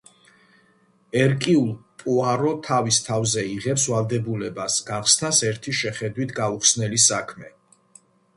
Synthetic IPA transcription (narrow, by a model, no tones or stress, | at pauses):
ɛɾkʼiulˠpʼuaɾɔt̪ʰavist̪ʰavzɛiʁɛpsvalˠd̪ɛbulɛbasɡaχsnasɛɾt̪ʰiʃɛχɛd̪wit̪ʰɡauχsnɛlisakʰmɛ